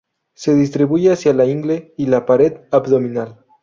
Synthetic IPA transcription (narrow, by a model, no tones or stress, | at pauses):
seð̞ist̪ɾiβujeasjalaiŋɡleilapaɾet̪abðominal